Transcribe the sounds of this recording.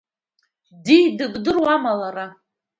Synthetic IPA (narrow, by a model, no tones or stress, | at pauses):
dijdɨbdɨrwamalaɾa